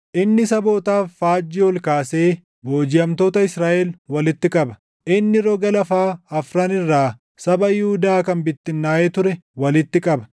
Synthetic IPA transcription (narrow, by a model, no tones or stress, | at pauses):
ʔɪnːɪsɐbo̞ːt̪aːfːaːd͡ʒːɪɔlkaːse̞ː | boːd͡ʒɪjɐmt̪o̞ːt̪ɐɪsɾaːʔɛlwɐlɪt̪ːɪkʼɐbɐ̥ | ʔɪnːɪɾɔːɡɐlɐfaːɐfɾaːnɪrːaː | sɐbɐjɪhʊd̪aːkɐnbɪt̪ːɪnːaːʔeːt̪ʊɾɛwɐlɪt̪ːɪkʼɐbɐ̥